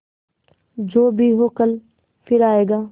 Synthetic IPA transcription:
d͡ʒoːbʱiɦoːkəl | fʰɪɾaːeːɡaː

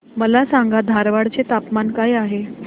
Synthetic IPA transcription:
məlasaŋɡad̪ʱaɾʋaɽt͡set̪apmankajaɦe

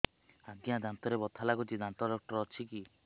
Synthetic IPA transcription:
aɡjad̪ʱant̪ɔɾebɔt̪ʰalaɡut͡ʃid̪ʱant̪ɔɖɔk̚ʈɔɾɔt͡ʃʰiki

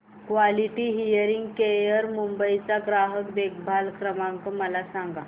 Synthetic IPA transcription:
kʋaliʈiɦijəɾiŋɡkejəɾmumbəit͡saɡɾaɦəkd̪ek̚bʱalkɾəmãŋkəməlasãŋɡa

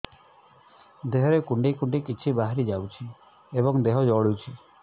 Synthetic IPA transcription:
d̪eɦɔɾekuɳɖikuɳɖikit͡ʃʰibaɦaɾid͡ʒawt͡ʃʰi | ebɔŋd̪eɦɔd͡ʒɔɭut͡ʃʰi

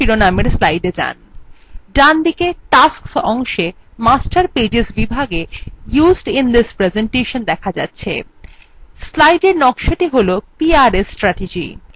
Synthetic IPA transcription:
iɾonameɾslajɖed͡ʑa̰n | ɖand̪ikeʈasksɔŋʃe | masʈaɾped͡ʑeʃbibʱaɡejuzɖind̪ispɾezeɳʈeʃond̪ɛkʰad͡ʑa̰tːɕʰḛ | slajɖeɾnɔkʃoʈiɦolopiaɾesʈɾaʈed͡ʑḭ

